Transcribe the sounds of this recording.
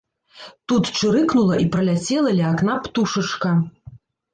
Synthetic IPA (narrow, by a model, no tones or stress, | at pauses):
t̪ut̪t͡ʂɨɾɨknulˠɐʔipɾɐlʲat͡sʲɛlˠɐlʲiakn̪apt̪uʂɨt͡ʂkɐ